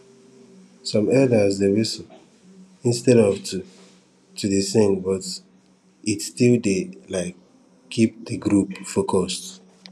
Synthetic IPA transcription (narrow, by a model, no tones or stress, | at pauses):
sɔ̃mɛdasdewisɔ | ĩnstɛɾɔvtʰu | tuðisẽŋbɔt | itstildelaɪkʰː | ip̚dəɡɹupfokʰɔst